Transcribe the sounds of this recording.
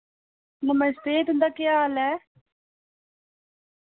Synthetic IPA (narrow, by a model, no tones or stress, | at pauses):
nəməst̪et̪ʊ̃nd̪akaːlɛː